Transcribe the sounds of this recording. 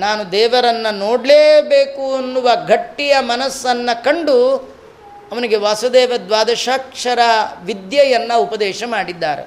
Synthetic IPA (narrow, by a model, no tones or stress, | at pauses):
naːnud̪ɛːʋɐɾɐnːɐnoːɽleːbeːkuɐnːuʋɐɡʱɐʈːijɐmɐnɐsːɐnːɐkɐɳɖu | ɐʋɐniɡe̞ʋaːsud̪ɛːʋɐd̪ʋaːd̪ɐʃaːkʂɐɾɐʋid̪jɐjɐnːɐupɐd̪ɛːʃɐmaːɽid̪ːaːɾḛ